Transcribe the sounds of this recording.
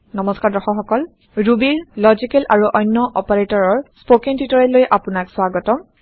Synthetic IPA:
nɔmɔskaɹdɔxɔxɔkɔl | ɹubiɹlɔzikɛlʔaɹuʔɔjnːɔʔɔpaɹetɔɹɔɹspokiŋtitɔɹɛlojʔapunakswaɡɔtɔm

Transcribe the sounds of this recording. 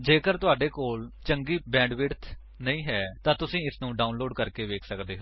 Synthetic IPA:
d͡ʒeːkəɾt̪ʊaːɖeːkoːlt͡ʃəŋɡiːbɛ̃ːɳɖʋɪɾt̪ʰ | nəĩːɦɛːt̪ãːt̪ʊsĩːɪsnũːɖaːunloːɖkəɾkeːʋeːkʰsəkd̪eːɦoː

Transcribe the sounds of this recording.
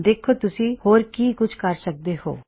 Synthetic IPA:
d̪eːkʰːot̪ʊsĩːhoːɾkiːkʊt͡ʃʰkəɾsək̚d̪eho̰ː

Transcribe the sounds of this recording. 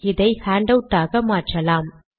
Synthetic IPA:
ɪðɐɪhaːɳɖɐwʈ̪ːaːɣɐmaːʈrɐlaːm

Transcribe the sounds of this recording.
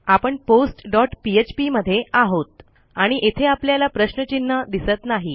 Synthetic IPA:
apəɳposʈɖɔʈpiet͡ɕpiməd̪ʱːjeaɦot̪ | aɽ̃iʔet̪ʰeapljalapɾəɕnət͡ɕinːəd̪isət̪naɦi

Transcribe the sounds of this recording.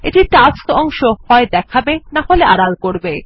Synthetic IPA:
eʈiʈaskɔŋʃohɔed̪ɛkʰabenaɦoleʔaɽalkoɾbe

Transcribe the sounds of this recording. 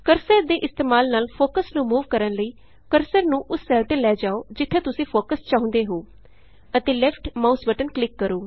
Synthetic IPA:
kəɾsəɾd̪eːʔɪst̪eːmaːlnaːlpʰoːkəsnũːmuːʋkəɾənləiː | kəɾsəɾnũːʔʊsːɛːlt̪eːlɛːd͡ʒaːoːd͡ʒɪt̪ʰːẽːt̪ʊsĩːpʰoːkəst͡ʃãːõːnd̪eːɦoː | ət̪eːlɛːpʰʈmaːsbəʈənklɪkːəɾoː

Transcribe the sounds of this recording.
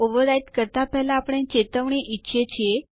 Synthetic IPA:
oʋəɾaiʈkəɾt̪apɛɦlaːpɽ̃ẽt͡ɕet̪əʋɳ̃eʔitːɕʰet͡ɕʰie

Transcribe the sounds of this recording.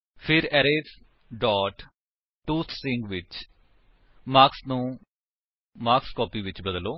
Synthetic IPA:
pʰɪɾɛːɾeːs | ɖɔːʈ | ʈːuːt̪ʰsɪ̃ŋɡʋɪt͡ʃ | maːksnũː | maːkskɔːpiːʋɪt͡ʃbəd̪loː

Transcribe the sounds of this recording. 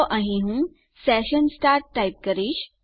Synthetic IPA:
ʔãɦĩɦũ | sɛɕənsʈaɾʈʈːaip̚kəɾiːɕ

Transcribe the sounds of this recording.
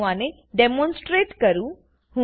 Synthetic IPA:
ʋãne | ɖemɔ̃nsʈɾeʈkəɾũ | ɦũ

